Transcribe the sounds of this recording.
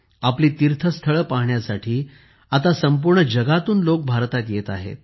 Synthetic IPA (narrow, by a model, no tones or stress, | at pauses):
apliːt̪iɾt̪ʰəst̪ʰəɭəpaɦɳjasaʈʰiː | at̪asəmpuɾɳəd͡ʑəɡat̪uːnlok̚bʱaɾt̪at̪jet̪aɦḛt̪̚